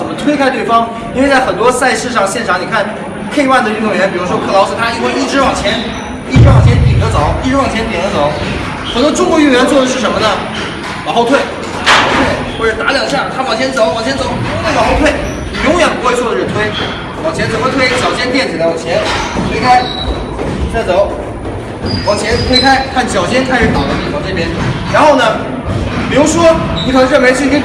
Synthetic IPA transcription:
ə˨˩mə˦t̪ʰwe˥ɪkʰa˥ɪt̪we˥˩ɪfɑ˥ŋ | i˥nwt͡sa˥˩ɪxə˨˩nt̪wɔ˥sa˥˧ɪʂɻ̩˥˧ʂɑ˥˧ŋɕjɛ˥˩nʈ͡ʂʰɑ˧˥ŋni˨˩kʰa˥˩n | kʰe˥˧ɪwa˥˩nd̪ə˩ɻy˥˩t̪ʊ˨˩ɥɛ˧˥npi˨˩ɻu˧˥ʂwɔ˥kʰɤ˥˩lɑ˧˥ʊs̩˨˩t̪ʰa˥˧˥xwɪi˥˩ʈ͡ʂɻ̩˥wɑ˨˩ŋt͡ɕʰjɛ˧˥n | i˥˧ʈ͡ʂɻ̩˥wɑ˥˩ŋt͡ɕʰjɛ˧˥np̪i˨˩d̪ə˦˥t͡so˨˩˦ʊi˥˧ʈ͡ʂɻ̩˥wɑ˥˩ŋt͡ɕʰjɛ˥np̪i˨˩d̪ə˦˥t͡so˨˩˦ʊ | xə˨˩nt̪wɔ˥ʈ͡ʂʊ˥ŋkwɔ˧˥y˥˩nɥɛ˧˥nt͡swɔ˥˩ə˧˩ʂ̬ɻ̩˥˩ʂə˧˥nmə˧nə˨ | lɑ˨˩ʊxo˥˧ʊt̪ʰwe˥˩ɪ | ɑ˨˩xo˥˧t̪ʰwe˥˩ɪxwɔ˥˩ʈ͡ʂə˨˩˥t̪a˧˥ljɑ˨˩ʊɕja˥˩t̪ʰa˥pɑ˨˩ʊt͡ɕʰjɛ˧˥nt͡so˧˥ʊpɑ˨˩ʊt͡ɕʰjɛ˥nt͡so˧˥ʊ˥a˥˩mɑ˨˩ʊxo˥˧ʊt̪ʰwe˥˩ɪ˩ | jʊ˧˥ŋjɛ˨˩npu˧˥xwe˧ɪt͡swɔ˥˩ə˩ɻə˧˥nt̪ʰwe˥ɪ | pɑ˨˩ʊt͡ɕʰjɛ˧˥nt͡sə˨˩nmə˧t̪ʰwe˥ɪt͡ɕjɑ˨˩ʊt͡ɕʰjɛ˥nt̪̬jɛ˥˩nt͡ɕi˨˩lɑ˨˩t͡ɕʰjɛ˧˥nt̪ʰwe˥ɪkʰa˥ɪ | t͡sa˥˩ɪt͡so˧˥ʊ | pɑ˨˩ʊt͡ɕʰjɛ˧˥nt̪ʰwe˥ɪkʰa˥ɪkʰa˥˩nɕjɑ˨˩ʊt͡ɕʰjɛ˥nkʰa˥ɪʂɻ̩˨˩t̪ɑ˥˩ʊt̪ɑ˥˧˩t̪i˥˩fʰɑ˥˩ʈ͡ʂɤ˥˩pjɛ˥nɻa˧˥nxo˥˩ʊnə˩ | pi˨˩ɻu˧˥ʂwɔ˥ni˧˩kʰɤ˧˩˥ɻə˥˩nme˧˥ɪʂ̩˥˩˥

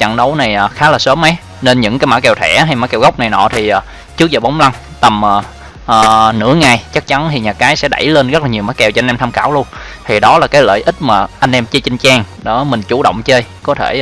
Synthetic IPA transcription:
t͡ɕa̰˧˨ŋɗə˨˦wna˨˩jʔaː˨˩xaː˨˦laː˨˩səː˨˦mːə˨˦j | ne˧nɲɨ̰˧˥ŋkaː˨˦maː˧˥kɛ˨˩wt̪ʰɛ̰˧˩ɦa˧jmaː˧˦jkɛ˨˩wɣa˦˥wk͡p̚na˨˩jnɔ̰˧˨t̪ʰi˨˩ʔː | t͡ɕɨ˦˥k̚zaː˨˩ɓa˨˦wŋ͡mla˧ŋ | t̪ə˨˩mʔəː˨˩ | ʔəː˨˩nɨ̰˧˥əŋaː˨˩jt͡ɕa˦˥k̚t͡ɕa˨˦nt̪ʰi˨˩ɲaː˨˩kaː˨˦jsɛ̰˧˥ɗa̰˧˩jle˧nɣə˦˥t̚la˨ɲi˨˩wmaː˨˦jkɛ˨˩wt͡ɕɔ˧nʔɛ˧mt̪ʰːmkaː˧˩wlu˧ənt̪ʰi˨˩ɗɔ˨˦laː˨˩kaː˨˦jlə̰ː˧˨jʔï˦˥t̚maː˨˩ʔa˧jŋ̟ʔɛ˧mt͡ɕə˧t͡ɕi˧ŋt͡ɕaː˧ŋɗo˧˩˦mï˨˩ŋ̟t͡ɕu˧˩ɗo̰˧˨wŋ͡mt͡ɕəː˧jkɔ˨˦t̪ʰe˧˩

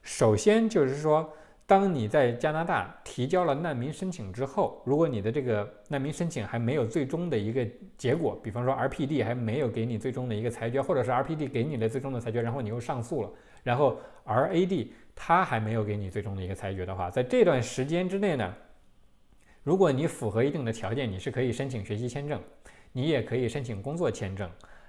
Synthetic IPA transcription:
ʂo˨˩ʊɕjɛ˥nt͡ɕjo˥˧ʊʂɻ̩˥˩ʂwɔ˥ | t̪ɑ˥ŋni˨˩t͡sa˥˩ɪt͡ɕja˥na˧˥t̪a̰˥˩t̪ʰi˧˥t͡ɕjɑ˥ʊlə˨na˥˩nmi˧˥ŋʂə˥nt͡ɕʰi˨˩ŋʈ͡ʂɻ̩˥xo˥˩ʊɻu˧˥kwɔ˧˥ni˨˩d̪ə˦ʈ͡ʂɤ˥˩ɡə˩na˥˩nmi˧˥ŋʂə˥nt͡ɕʰi˨˩ŋxa˧˥ɪme˧˥ɪjo˨˩ʊt͡swe˥˩ɪʈ͡ʂʊ˥ŋd̪ə˨i˧˥ɡə˧ | t͡ɕjɛ˧˥kwɔ̰˨˩˦pi˨˩fɑ˥ŋʂwɔ˥ə˞˧˥pʰi˥˧t̪̬i˥˩xa˧˥ɪme˧˥ɪjo˨˩ʊke˧˥ɪni˨˩t͡swe˥˩ɪʈ͡ʂʊ˥ŋd̪ə˨i˧˥ɡə˧t͡sʰa˧˥ɪt͡ɕɥɛ˧˥xwɔ˥˩ʈ͡ʂɤ˨˩ʂɻ̩˥˩ɐ˞˧˥pʰi˥˧t̪i˥˩ke˧˥ɪni˨˩lə˧˥t͡swe˥˧ɪʈ͡ʂʊ˥ŋdət͡sʰɪt͡ɕɥɛ˧˥ɻa˥xo˥˩ʊni˨˩jo˥˧ʊʂɑ˥˧ŋsu˥˩lə̰˩ | ɻa˧˥nxo˥˩ʊ | ə˞˧˥e˥ɪt̪i˥˩t̪ʰa˥xa˧˥ɪme˧˥ɪjo˧˩ʊke˧˥ɪni˨˩t͡swe˥˩ɪʈ͡ʂʊ˥ŋd̪ə˩i˧˥ɡə˧t͡sʰa˧˥ɪt͡ɕɥɛ˧˥d̪ə˧xwa̰˥˧t͡sa˥˧ɪʈ͡ʂɤ˥˧ɪt̪wa˥˩nʂɻ̩˧˥t͡ɕjɛ˥nʈ͡ʂɻ̩˥ne˥˩ɪnə̰˩ | ɻu˧˥kwɔ˧˥ni˧˥fu˨˩xɤ˧˥i˧˥i˥˩ŋd̪ə˩t̪ʰjɑ˧˥ʊt͡ɕjɛ˥˩ni˨˩ʂɻ̩˥˩kʰɤ˧˥i˨˩ʂə˥nt͡ɕʰi˨˩ŋɕɥɛ˧˥ɕi˥t͡ɕʰjɛ˥˧nʈ͡ʂɤ˥˩ŋni˧˥jɛ˨˩kʰɤ˧˥i˨˩ʂə˥nt͡ɕʰi˨˩ŋkʊ˥ŋt͡swɔ˥˩t͡ɕʰjɛ˥˧nʈ͡ʂɤ̰˥˩ŋ

